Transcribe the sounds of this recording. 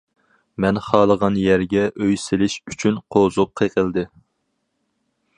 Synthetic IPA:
mɛnχɑːlˠəʁɑnjɛɾɡʲɛʔøjsɪlɪʃyt͡ʃʰynqʰozup̚qʰeqəlˠd̪ɨ

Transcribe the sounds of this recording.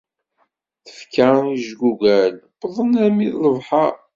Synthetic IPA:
θə̥fkaɾniʒɡuɡælbðˤənæmiðləvħɑ

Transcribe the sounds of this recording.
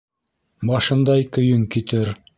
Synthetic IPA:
bɑʃɤ̆nd̪ɑjkɵ̆jɵŋkit̪ɘɾ

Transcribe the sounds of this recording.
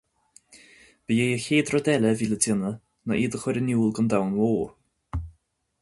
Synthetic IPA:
b̥əjejəxeːdrɔdɛlɛviːlədɪnə | naʔiːdəxwɛɾənjuːlˠɡəndawnwoːɹ

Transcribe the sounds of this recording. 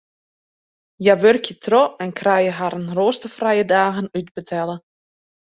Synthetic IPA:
jaʋørkʰjətʰroɛnkʰrajəɦaɾənroːstəfrajədaːɣənyd̚bətʰɛlˠə

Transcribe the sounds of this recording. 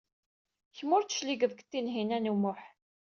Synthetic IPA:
çmʊɾt͡sːə̥ʃliɡəðˤkt̪ːinɦinænumʊħ

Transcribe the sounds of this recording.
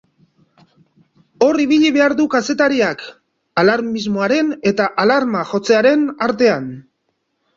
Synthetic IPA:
o̞ɾiβ̞iʎiβe̞aɾðukase̞t̪aɾiak | alaɾmizmo̞aɾe̞ne̞t̪aʔalaɾmaʝo̞t͡se̞aɾe̞naɾt̪e̞an

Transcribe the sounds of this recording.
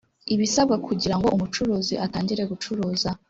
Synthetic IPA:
iβisab̚ɡakʰuɟiɾaŋɡo̞ʔumut͡ʃuɾuːziʔataːɲɟiɾe̞ɡut͡ʃuɾuːza

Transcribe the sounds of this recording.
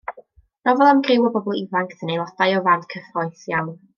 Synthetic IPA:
nɔvɔlˠamɡrɪwɔbɔbɔlˠivaŋkʰθənejlˠɔd̥ajɔvantkʰəfɔjθjawn

